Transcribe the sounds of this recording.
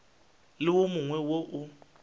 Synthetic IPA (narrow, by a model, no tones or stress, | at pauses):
lɪwomʊŋwɛwoʔʊ